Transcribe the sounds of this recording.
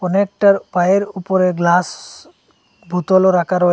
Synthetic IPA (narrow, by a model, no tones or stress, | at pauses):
kɔnek̚ʈaɾpajeɾupɔɾeɡlas | bʱut̪ɔloɾakʰaɾɔ